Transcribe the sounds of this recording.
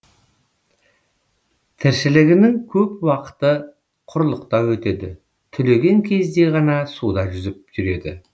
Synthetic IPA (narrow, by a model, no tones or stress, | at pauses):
t̪ʰɪɾʃɪlɪɡʲɪnɪŋkʲʰɵp̚wɑqə̥t̪ə | qʰʊɾlˠəqt̪ɑwɵt̪e̞d̪ɪ̰ | t̪ʰʏle̞ɡʲe̞ŋkʲʰe̞zd̪e̞ʁɑnɑsud̪ɑʒʏzɪp̚ʒʏɾe̞d̪ɪ̰